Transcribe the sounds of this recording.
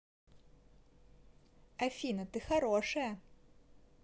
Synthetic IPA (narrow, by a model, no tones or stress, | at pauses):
ɐfʲinɐt̪ɨxaɾɔʂɐjɐ